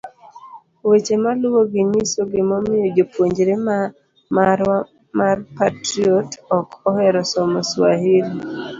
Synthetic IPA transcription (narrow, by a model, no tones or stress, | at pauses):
wet͡ʃemalʊwoɡɪɲisoɡɪmɔmɪjod͡ʒopwoɲd͡ʒɾema | ma | marpatɾiɔtɔkɔhɛɾɔsɔmɔswaɦiɾi